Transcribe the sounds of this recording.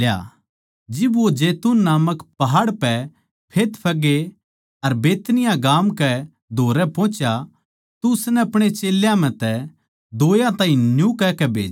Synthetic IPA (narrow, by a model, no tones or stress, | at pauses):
lja̰ | d͡ʒɪbʋod͡ʒeːt̪unːaːməkpɐɦaːɽpɛ | pʰeːt̪pʰɐɡe | ɐɾbeːt̪nɪjãɡaːmkɛ | d̪ʱoːɾɛpɔ̃ːt͡ʃja | t̪ʊsnɛɐpɽ̃et͡ʃeːljãmɛ̃t̪ɛ | d̪oːjãt̪ãːĩnjũkɛkɛbʱḛːd͡ʒ